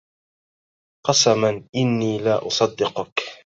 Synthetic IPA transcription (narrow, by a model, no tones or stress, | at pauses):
qɑsamanʔɪnːiːlaʔʊsˤɑd̪ːɪqʊk